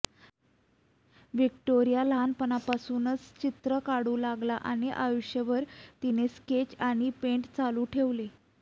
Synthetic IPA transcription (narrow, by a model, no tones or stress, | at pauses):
ʋikʈoɾijalanpənapasuːnət͡st͡ɕit̪ɾəkaɽuːlaɡlaʔañiʔajuɕjəʋəɾt̪inesket͡ɕaɽ̃ipeɳʈt͡saluːʈʰeʋle